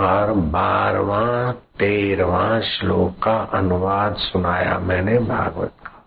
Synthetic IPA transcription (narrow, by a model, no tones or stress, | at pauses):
ɔɾbaːɾʋãt̪eːɾʋãːʃloːɡkːaʔɐnʊʋaːd̪sʊnaːja̰mɛ̃ːnebʱa̰ːɡʋə̰t̪̚kḁː